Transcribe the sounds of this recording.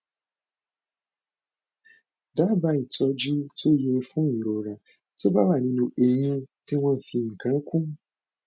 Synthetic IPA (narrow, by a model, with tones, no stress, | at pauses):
da˦ba˦i˨tɔ˦d͡ʒu˦to˦je˨˦ɾe˨fʊ̃˦˨i˨ɾo˨ɾã˨ | te˦ba˦ba˨nĩ˧nũ˨ʔe˨ɲĩ˦ti˦wɔ̃˦m̩˨fi˨ŋ̩˨kã˨˦kʷũ˦m˦